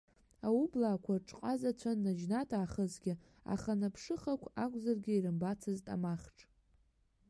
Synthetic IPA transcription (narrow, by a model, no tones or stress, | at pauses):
aublaːkʷʰaʈ͡ʂʼqʼazat͡ɕʷʰanːad͡ʒnatʰaːχəzɡʲɪ | a̰χanapʰʂɨχakʷʰakʷʼzarɡʲɪiɾɨmbat͡sʰɨztʼa̰maχʈ͡ʂʼ